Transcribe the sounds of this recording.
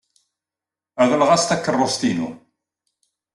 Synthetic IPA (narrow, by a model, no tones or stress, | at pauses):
æðəlʁæst̪ækːərˤːost̪inṵ